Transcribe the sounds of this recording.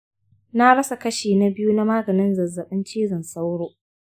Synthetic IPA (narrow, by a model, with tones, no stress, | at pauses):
na˦ɽɐ˦sa˨kɐ˦ʃiː˨na˦bɪ˦ju˦na˦maː˦ɡɐ˨nɪ˦nzɐ˨zɐ˨ɓɪ˦nt͡ʃiː˦zɐ˨nsa˦wɽoː˦